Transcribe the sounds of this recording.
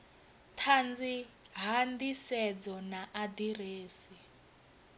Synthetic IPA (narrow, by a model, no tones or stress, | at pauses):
tʰand͡zi | ɦandisɛd͡zɔnaʔadireːsi